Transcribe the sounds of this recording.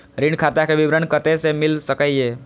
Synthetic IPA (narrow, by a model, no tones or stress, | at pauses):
ɾiɳɖkʰat̪akebibɾənkət̪esemilsəkəe